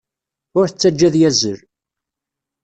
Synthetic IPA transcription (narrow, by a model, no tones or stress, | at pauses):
ʊɾθət͡sːæd͡ʒːæðjæzəɾ